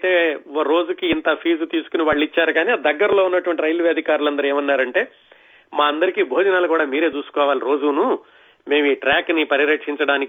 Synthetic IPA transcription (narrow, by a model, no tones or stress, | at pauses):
t̪e̞ːoɾo̞ːd͡ʒukiːnt̪ɐpʰiːd͡ʒut̪iːsu̥kuniʋaːɭːuit͡ʃːaːɾuɡaːniːad̪ɐɡːɐɾɐlo̞ːunːɐʈuʋɐɳʈiɾɐjlʋeɐd̪ʱikaːɾulɐnd̪ɐɾue̞ːmɐnːaːɾɐɳʈe̞ː | maːɐnd̪ɐɾikiːbʱoːd͡ʒɐnaːlukuːɽaːmiːɾe̞ːt͡ʃuːsu̥kɔːʋaːliɾo̞ːd͡ʒuːnu | me̞ːmiːʈɾaːknipɐɾiɾɐkʂiɲt͡ʃɐɽaːni